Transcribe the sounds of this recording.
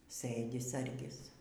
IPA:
ˈsɘdʲɪ ˈsɐrʲɡʲɪs

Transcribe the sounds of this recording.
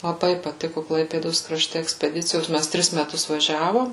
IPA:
lˠɐˈbɐɪ pɐˈtʲɪkʊ ˈklˠɐɪpʲeːdoːs krɐˈʃʲtʲɛ ɛksʲpʲɛˈdʲɪt͡sʲɪjoːs ˈmʲæs ˈtʲrʲɪs mʲɛˈtʊs ʋɐˈʒʲæːʋoːm

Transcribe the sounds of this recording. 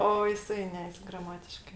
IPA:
ˈoː jɪˈsɐɪ ˈnʲɛ ɡrɐˈmɑːtʲɪʃkɜ

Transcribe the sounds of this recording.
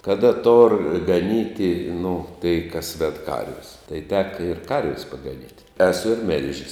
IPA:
kɐˈdɐ toːr ɡɐˈnʲiːtʲɪ nʊ tɐɪ kɐs ʋʲɛt ˈkɐrʲʋʲɪs tɐɪ ˈtʲæːkɐ ɪr ˈkɐrʲʋʲɪs pɐɡɐˈnʲiːtʲ ɛˈsʊ ɪr ˈmʲɪlʲʒʲɪs

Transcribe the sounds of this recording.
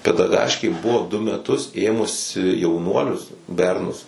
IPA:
pʲɛdɐˈɡɑːʃʲkʲeː ˈbʊʋoː dʊ mʲɛˈtʊs ˈeːmʊsʲɪ jɛʊˈnuɔlʲʊs ˈbʲɛrnʊs

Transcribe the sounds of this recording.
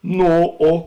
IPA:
ˈnoː ˈoː

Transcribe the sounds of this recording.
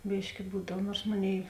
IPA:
ˈbʲiːʃʲkʲɪ ˈbuːdɐw ˈnuɔrs ˈmoːˌnʲeːɪ

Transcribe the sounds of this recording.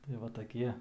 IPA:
tɐɪ ˈʋɐ tɐˈkʲiɛ

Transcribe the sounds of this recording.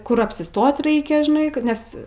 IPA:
ˈkʊr ɐpʲsʲɪˈstoːt ˈrɐɪkʲɛ ʒʲɪˈnɐɪ ˈkɐt nʲɛs

